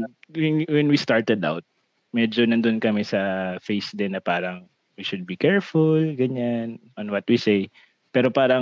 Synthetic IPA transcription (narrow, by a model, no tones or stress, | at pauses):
wɛnwɛnwist̪aɹt̪ɛd̪a̰wt̪̚ | mɛd͡ʒonɐnd̪onkɐmɛsɐfejsd̪ɛnɐpaːɾɐŋ | wiʃʊd̪̚bikɛɹfʊlɡɐɲanʔɔnwɐt̪̚wisej | pɛːɾopaːɾɐ